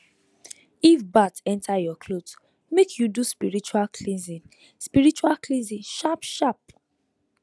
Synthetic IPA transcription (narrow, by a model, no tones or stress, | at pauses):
ifbatɛ̃ntʰajɔkʰlod | mekʰjuduspiɹit͡ʃualkʰlĩnzĩn | spiɹit͡ʃualklĩnzĩnʃapʃap̚